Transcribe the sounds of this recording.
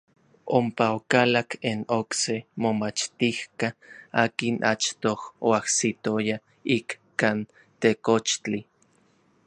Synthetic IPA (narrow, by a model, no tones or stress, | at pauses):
ompaokalakʰenoksemomat͡ʃt̪ihkaaːkinʔa̰t͡ʃt̪ohoahsit̪oja | iːkkan | t̪ekot͡ʃt͡ɬi